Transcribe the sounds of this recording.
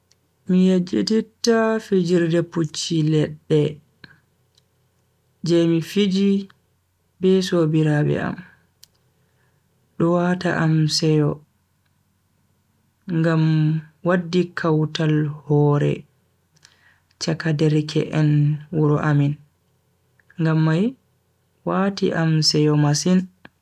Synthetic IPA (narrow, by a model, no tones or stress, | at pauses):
mijad͡ʒeditːafid͡ʒiɾdɛput͡ʃːilɛɗːɛ | d͡ʒɛmifid͡ʒi | bɛsobiɾabɛ̰a̰m | ɗɔwata̰ʔamsɛjɔ | ŋɡamwadːikʰawtalhɔːɾɛ̰ | t͡ʃakadɛɾkʰɛ̰ʔɛnwuɾɔʔamin | ŋɡamːaj | watiʔamsɛjɔmasin